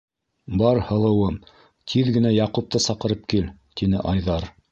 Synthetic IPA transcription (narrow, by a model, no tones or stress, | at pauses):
bɑɾhɤ̆lˠɤ̆wɤm | t̪ʰiðɡɘ̆næjɑqup̚t̪ɤsɑqɤ̆ɾɤp̚kilt̪inɘʔɑjðɑɾ